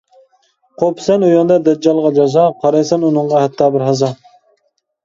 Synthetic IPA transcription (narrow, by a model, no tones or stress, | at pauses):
qʰopʰɪ̥sɛnojɑnd̪ɑd̪ɛd͡ʒɑlˠʁɑd͡ʒɑzɑqʰɑɾɑjsɛnunɨɴʁɑhɛt̪ʰːɑːbɪɾɦɑzɑ